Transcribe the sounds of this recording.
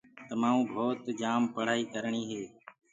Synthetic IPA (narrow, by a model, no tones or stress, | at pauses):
t̪əmaːũːbʱoːt̪d͡ʒaːmpəɽ̤aːiːkəɾɳ̃iːɦeː